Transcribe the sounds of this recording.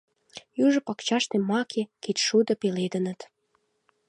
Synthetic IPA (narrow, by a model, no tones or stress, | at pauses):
jyʒə̆pɑkt͡ɕɑʃt̪emɑkʰeket̪ʃud̪ə̆peled̪ənə̆t̪